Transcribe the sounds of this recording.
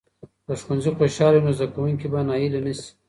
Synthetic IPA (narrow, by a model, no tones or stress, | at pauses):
d̪̥əʃwanzixoʃɑlenozd̪akawuŋkibanɑjilanasi̥